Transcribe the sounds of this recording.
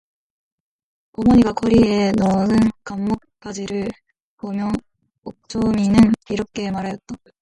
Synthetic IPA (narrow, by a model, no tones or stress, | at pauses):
ʌmʌɲiɡak͈ʰʌɾie̞nʌɯnkamːok̚k͈ad͡ʑiɾɯɭ | pomjʌ | ok̚t͡ɕ͈ʰominɯniɾʌp̚k͈ʰe̞maɾajʌt̚t͈a